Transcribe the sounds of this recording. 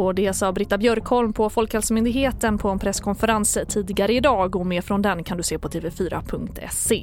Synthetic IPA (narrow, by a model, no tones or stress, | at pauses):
ɔd̪ɛsɑːbɾɪt̪ːabjœɾkhɔlmpʰɔfɔlkhɛlsəmʏnd̪ɪɡheːt̪ənpʰɔɛnpʰɾɛskʰɔnfəɾanst̪ʰiːd̪ɪɡaɾəɪd̪ɑːɡɔmeːɾfɾɔnd̪ɛnkʰand̪ɵseːpʰɔt̪ʰeːvɛfyːɾa̰pʰɵŋk̚t̪ʰɛ̰se